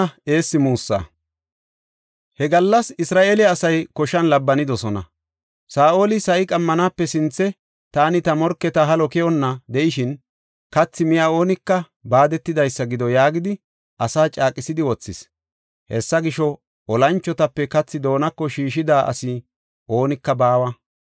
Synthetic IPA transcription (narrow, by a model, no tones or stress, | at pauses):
e̞ːsːɪmuːsːa̰ | hɛɡɐlːɐsɪsɾaːʔeːlɪɐsɐjkɔʃɐnlɐbːɐnɪd̪ɔsɔnɐ̰ | saːʔoːlɪsɐʔɪkʼɐmːɐnaːpːɛsɪnt͡sːɛ | t̪aːnɪt̪ɐmɔɾkːɛt̪ɐɦɐlɔkɛjɔnːɐd̪ɛʔɪʃɪn | kɐt͡sːɪmɪjao̞ːnɪkːɐ | baːd̪ɛt̪ːɪd̪ɐjsːɐɡɪd̪ɔjaːɡɪd̪ɪ | ʔɐsaːt͡ʃʼaːkʼɪsɪd̪ɪwɔt͡sːɪs | hɛsːɐɡɪʃɔ | ʔɔlɐnt͡ʃːɔt̪ɐpːɛkɐt͡sːɪd̪o̞ːnɐkːɔʃiːʃɪd̪aːʔɐ̰sɪ | ʔo̞ːnɪkːɐbaːwɐ